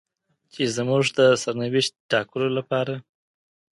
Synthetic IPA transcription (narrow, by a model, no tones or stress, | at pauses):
t͡ʃezmuʐd̪əsaɾnawɪʃt̪̚ʈɑkəlolapɑɾa